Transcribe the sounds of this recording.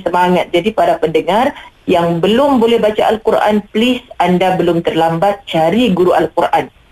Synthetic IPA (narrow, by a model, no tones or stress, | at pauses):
səmaŋat̪̚d͡ʒadipadapəndəŋarjaŋbəlʊmbolɛhbat͡ʃaʔalkuɾʔa̰nplɪsandabəlʊmt̪ərlambat̪̚t͡ʃaɾiɡuɾuʔalkurʔan